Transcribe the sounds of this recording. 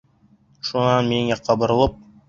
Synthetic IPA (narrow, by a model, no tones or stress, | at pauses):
ʃunɑnmeŋæqʰɑbɤ̆ɾɤ̆lˠɤp̚